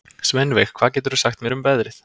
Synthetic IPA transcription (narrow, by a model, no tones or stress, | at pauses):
smɛnvɛxkʰvaːðcɛːt̪ʏɾðusaxt̪mjɛɾʏmpɛðɾɪθ